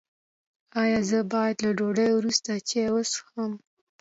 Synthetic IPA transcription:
ɑjɑzəbɑjad̪laɖoɖəjwɾust̪at͡ʃewosxam

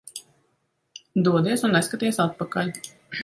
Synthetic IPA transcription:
d̪uɔd̪iɛsunːɛskat̪iɛsat̪̚pakalʲ

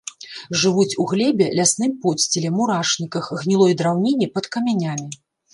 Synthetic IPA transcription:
ʐɨvut͡sʲuɣlʲɛbʲɛlʲasnɨmpɔsʲt͡sʲɪlʲɛmuɾaʂnʲikɐxɣnʲilˠɔjd̪ɾawnʲinʲipɐt̪kɐmʲanʲamʲi

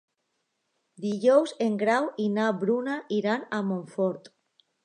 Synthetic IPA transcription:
d̪iʎowzeŋɡɾawinabɾunaʔiɾanamõɱfoɾt̪

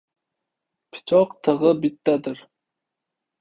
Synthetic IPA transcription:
pʰi̥t͡ʃʰɑqt̪ʰəʁəbit̪ːæd̪ɪɾ

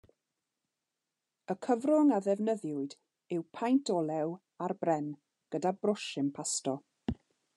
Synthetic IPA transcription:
əkʰəvrʊŋaðɛvnəðjʊɨd | ɪwpʰajntʰɔlˠɛw | arbrɛn | ɡ̥ədabrʊʃɪmpʰastɔ

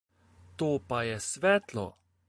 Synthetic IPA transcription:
t̪oːpajɛsʋɛːt̪lɔ̰

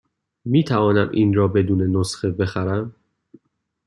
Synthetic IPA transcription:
miːt̪ʰævɒːnæmʔiːnɾɒːbe̞d̪uːne̞nosxebe̞xæɾæm

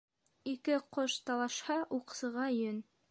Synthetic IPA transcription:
ikɘqoʃt̪ɑlˠɑʃhɑʔuqsɤ̆ʁɑjɵn

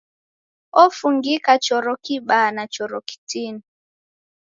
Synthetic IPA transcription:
ɔfuŋɡikat͡ʃɔɾɔkiɓanat͡ʃɔɾɔki̥tini

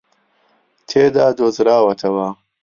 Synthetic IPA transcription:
t̪ʰeːd̪aːd̪ozɾaːwɐt̪ʰɐwaː

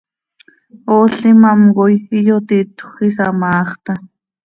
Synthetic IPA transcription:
oːɬimamɢojijot̪it̪χisamɑːχt̪a

